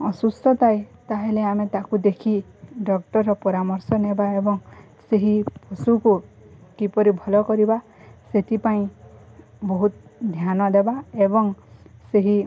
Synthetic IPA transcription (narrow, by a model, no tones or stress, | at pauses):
ɔsust̪ɔt̪ajt̪aɦeleamet̪akud̪ekʰi | ɖɔk̚ʈɔɾɔpɔɾamɔɾsɔnebaebɔŋ | seɦipɔsuku | kipɔɾibʱɔlɔkɔɾiba | set̪ipaĩ | bɔɦut̪d̪ʱjanɔd̪ebaebɔŋseɦi